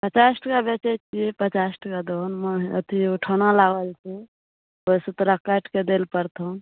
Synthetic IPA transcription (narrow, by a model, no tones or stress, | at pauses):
pət͡ʃasʈʰkabet͡ʃɛt͡ʃʰipət͡ʃasʈʰkad̪onməɦə̰t̪ʰiuʈʰonalaɡəlt͡ʃʰi | osut̪ɾakəʈʰked̪elpəɾt̪ʰõ